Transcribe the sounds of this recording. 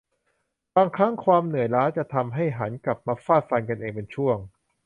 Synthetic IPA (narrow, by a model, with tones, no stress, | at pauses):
baː˧ŋkʰɾa˦˥ŋkʰwaː˧mnɯ˨˩əjɾaː˦˥t͡ɕa˨˩t̪ʰa˧mɦa˥˩jɦa˩˦nkla˨˩p̚maː˧faː˥˩t̪̚fa˧nka˧nʔeː˧ŋpe˧nt͡ɕʰu˥˩əŋ